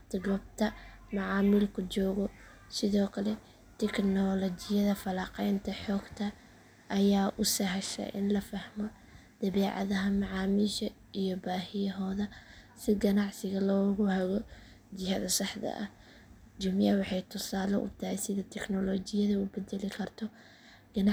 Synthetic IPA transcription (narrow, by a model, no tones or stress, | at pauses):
t̪ɡɔb̚t̪ʰɐ | mɑʕɑːmɪlkʰʊd͡ʒɔːɣɔ | sɪðɔːkʰɐlɛ | t̪ʰɛknɔlɔt͡ʃɪjɐðɐfɐlaːqɛjnt̪ʰɐħɔːɡt̪ʰɐ | ʔːjaːʔʊsɐɦɐʃɐ̰jʔɪ̰nlɐfɐhmɔ | d̪̥ɐβɛːʕɑ̰ðɐɦɐmɑʕɑːmiʃɐ | ijɔbaːɦɪjɐɦɔːðɐ | sɪɡɐnɑʕsɪɣɐlɔːɣʊhɐɣɔ | d͡ʒɪhɐðɐsɑħd̪ɐ̰ʔɐ̰h | d͡ʒʊmjɐwɑħɑjt̪ʰʊsaːlɔ̰ʔʊ̰t̪ʰɐhɛjsɪðɐt̪ʰɛknɔlɔːt͡ʃɪjɐðɐʊbɛd̪ɛlɪkʰɐrt̪ʰɔ | ɡ̥ɐn